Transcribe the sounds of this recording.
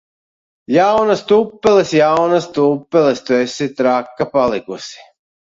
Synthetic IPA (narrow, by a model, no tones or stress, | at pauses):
jawnast̪uːpːɛlesjawnast̪uːpːɛlɛst̪uesit̪ɾakːapalˠikusi̥